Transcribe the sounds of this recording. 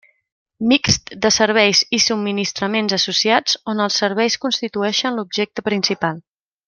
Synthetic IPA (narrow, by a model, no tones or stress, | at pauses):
miksd̪əsəɾβ̞ɛjzisub̚mːinist̪ɾəmenzəsusiad͡zonəlˠsːəɾβ̞ɛjskunst̪it̪uɛʃənlubʒɛk̚t̪əpɾinsipalˠ